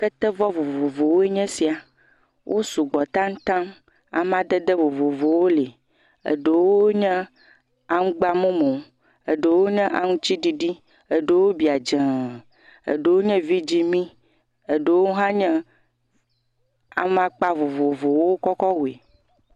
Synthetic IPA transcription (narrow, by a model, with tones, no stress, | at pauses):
kə˦t̪ɛ˦vɔ˦vo˨vo˨vo˨wo˦e˦ɲɛ̃˦si˨a˨ | wʔo˦su˨ɡ͡bɔ˨t̪ã˦ŋ̩̃˦t̪ã˦m | a̰˨m˦ã˦d̪ɛ˦d̪ə˦vo˨vo˨vo˨wo˦le˨ | ḛ˨ɖe˨wo˦ɲɛ̃˦ | a˨ŋũ˦ɡ͡ba˦mõ˦mõ˨˦ | e˨ɖe˨wo˦ɲɛ̃˦ʔa˨ŋũ˦t͡ɕi˦ɖi˦ɖi˦ | e˨ɖe˨wo˦bi˨a˨d͡ʒɛ˨ | ḛ˨ɖe˨wo˦ɲɛ̃˦vi˦d͡ʑi˦mĩ˦ | e˨ɖe˨wo˦ɦã˦ɲɛ̃˦ | a̰˨mã˦k͡pa˦vo˨vo˨vo˨wwo˦kɔ˦kɔ˦wu˨e˨